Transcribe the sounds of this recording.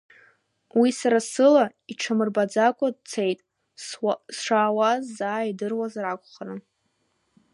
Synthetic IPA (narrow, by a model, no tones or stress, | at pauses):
wisaɾasɨla | iʈ͡ʂʰamɨrbad͡zakʷʼad̚t͡sʰe̞jtʼ | sʂaːwazːaːidɨrwazrakʷʼχaran